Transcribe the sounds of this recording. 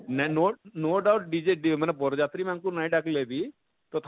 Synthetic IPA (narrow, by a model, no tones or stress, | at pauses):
nɛnoːnoːɖaʊʈ̚ɖiːd͡ʒeːɖimɛnɛboːɾd͡ʒaːt̪ɾiːmɛ̃ŋkunaːĩːɖɛkleːd̪iː | t̪ot̪ʰ